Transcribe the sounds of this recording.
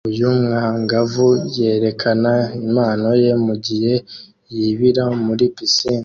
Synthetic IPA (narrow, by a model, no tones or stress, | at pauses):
ujumŋaŋɡavuje̞ːɾe̞kʰanaimaːno̞je̞muɟihe̞ | jiβiɾamuɾipisin